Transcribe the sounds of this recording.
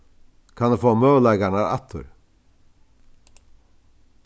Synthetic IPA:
kʰɑneːfoːmøːlæɡaɳəɾɛ̰t̪ʰə̰ɾ

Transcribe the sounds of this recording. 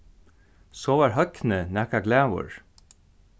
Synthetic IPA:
soːʋæːɹɦœknənækaɡlæːʋʊ̰ɹ

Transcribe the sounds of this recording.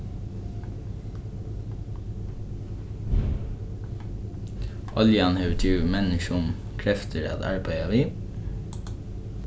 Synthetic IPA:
ʔɔljɑnheːʋət̪ʰyːmɛnəʃʊm | kʰɾɛft̪ʰəɾ̰ɑ̰d̪æ̰ɹbæɪɑːʋiː

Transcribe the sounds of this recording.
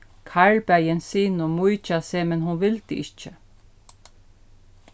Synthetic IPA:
kʰaɹpæjɪnsiːnʊmujt͡ʃaseːmɛnɦʊnʋɪlt̪ɪ̰ʔɪht͡ʃə

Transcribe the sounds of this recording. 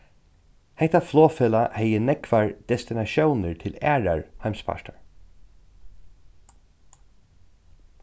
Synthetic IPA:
hɛht̪afloːfɛlahɛjənɛkʋaɹd̪̥ɛst̪ɪnaʃownəɹt̪ʰɪlæːɹa̰ɹhajmspʰa̰ʂʈa̰ɹ

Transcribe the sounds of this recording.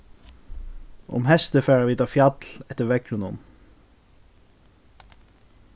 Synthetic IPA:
ʔʊ̰mhɛst̪əfæːɽəʋiːt̪ʰɑːfjɑt̪l̩ɛt̪əʋɛkʰɾʉnʊ̰n

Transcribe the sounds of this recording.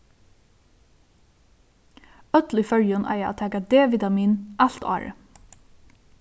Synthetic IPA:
œt̪lɪfœljənʔæ̰ːɪɑ̰t̪ʰæːɡɑd̪eːʋɪt̪ɑmiːnʔɑlt̪ɑ̰ːɹə̰

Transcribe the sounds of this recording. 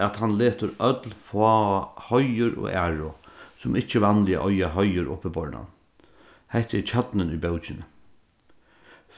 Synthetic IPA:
at̪hanleːt̪ʊɾœt̪lfɔhɔjʊɾo̰ʔæːɹʊsʊmɪt͡ʃːəʋanlɪaʔɔjːaɦɔjʊɾʊ̰pːɪbɔɹna̰n | hɛht̪ːəɛt͡ʃʰat̪nɪnubɛwt͡ʃɪnə

